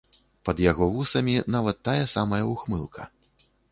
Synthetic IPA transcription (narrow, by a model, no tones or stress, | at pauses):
pɐd̪jaɣɔvusɐmʲinavɐt̪ːajɐsamɐjɐuxmɨlˠkʰɐ̥̰